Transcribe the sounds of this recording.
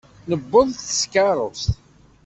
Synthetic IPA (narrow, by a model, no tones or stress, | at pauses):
nəbːəðˤθθə̥skɑɾˤost̪